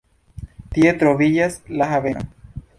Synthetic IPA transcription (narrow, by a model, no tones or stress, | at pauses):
t̪jet̪ɾoβiʎaslaɦaβeno̰